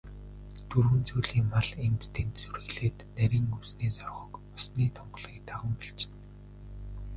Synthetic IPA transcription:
t̪ʰurwɘ̆nt͡suːjɮiːŋmaɮent̪ːʰent̪sɵrɣɘ̆ɮeːt̪næɾʲiːŋuwsniːsɔrʁɞ̆kʊsniːt̪ʰɔɴɢ̆ɮʁiːk̚t̪aʁə̆mpiɬɮt͡ɕɪ̥̆n

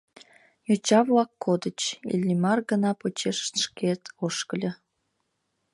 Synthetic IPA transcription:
jot͡ɕɑβlɑkːod̪ət͡ɕḭlʲːimɑrɡənɑpot͡ɕeʃʃket̪oʃkəlʲə̆

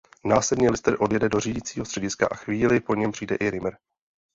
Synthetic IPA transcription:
naːslɛdnilɪst̪ɾʔo̞djɛdɛdoriɟiːt͡siːɦost̪r̥ɛɟɪska̰ʔaxviːlɪpo̞ɲɛmpr̥ijdɛʔɪɾɪmɾ

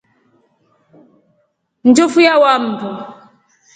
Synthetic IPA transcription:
n̩d͡ʒɔfujawam̩du

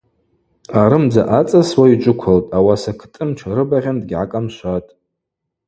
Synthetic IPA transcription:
aɾɨmd͡za̰ʔat͡sʼaswait͡ʃʷʼʊkʷʰaltʼawasakʰtʼɨmt͡ʃʰaɾɨbaʁʲandɡʲʕa̰kʼamʃʷatʼ

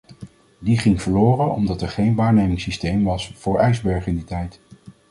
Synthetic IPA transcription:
diχɪŋv̥əɹlʊːrənɔ̰mdɑtɛɹχejnʋaːɹnejmɪŋsistejmʋɑsfʊːɹɛjzbɛɹχɪnditɛjt

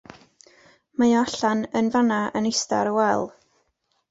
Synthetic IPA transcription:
majɔaɬanənvanaʔənɪsta̰ɾəwɛlˠ

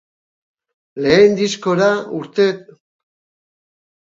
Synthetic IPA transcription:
le̞ːnd̪isko̞ɾauɾt̪e̞t̪

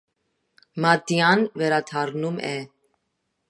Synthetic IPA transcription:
mɑt̪jɑnvɛɾɑt̪ʰɑɾnumɛ

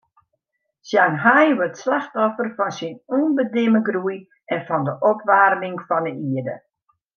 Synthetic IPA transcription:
sjanɦajʋørtslaxtɔfərfɔnsinuːnbədɪməɡruj | ɛnfɔndəʔɔpʋaːrmɪŋfɔndəiədə̰

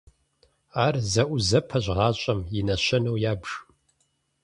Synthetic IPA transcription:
aːrzɐʔʷʊzɐpʰɐʑʁɑːɕʼɐmjɪnɐɕɐnɐwjaːbʒ

